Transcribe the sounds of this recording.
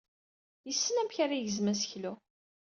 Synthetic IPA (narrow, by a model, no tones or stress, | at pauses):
jəsːənæmçaɾajəzmæsəçlu